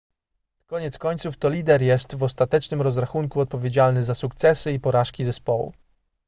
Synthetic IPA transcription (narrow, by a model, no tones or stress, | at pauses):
kɔɲɛt̪skɔɲt̪suft̪ɔlʲid̪ɛɾjɛst̪vɔst̪at̪ɛt͡ʂnɘmɾɔzɾaxuŋkuɔt̪̚pɔvʲjed͡ʑalnɘzasukt̪sɛsɘipɔɾaʂkʲizɛspɔwṵ